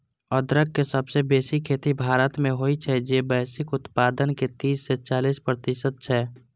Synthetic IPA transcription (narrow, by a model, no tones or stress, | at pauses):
ɔd̪ɾəɡ̚ːesəbsebeːsikʰːeːt̪ibʱaːɾət̪mẽɦoːit͡ʃʰɛd͡ʒeːbɛːsɪkʊt̪paːd̪ənket̪iːsːet͡ʃaːliːspɾət̪ɪsəd̪̚t͡ʃʰɛː